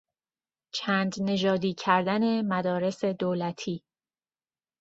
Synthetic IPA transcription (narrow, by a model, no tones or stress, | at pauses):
t͡ʃʰæːnd̪ne̞ʒɒːd̪iːcʰæɾd̪æne̞mæd̪ɒːɾe̞se̞d̪oːlæt̪ʰiː